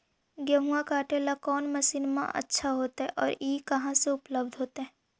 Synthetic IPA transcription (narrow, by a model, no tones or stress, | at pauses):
ɡjɐɦuãkaːʈelakɔːnmɐʃiːnmã̰ʔɐ̰tːʃʰaɦoːt̪aɦɛʔɔːɾiːkɐɦãseʊpləb̚d̪ʱɦoːt̪eɦɛ̃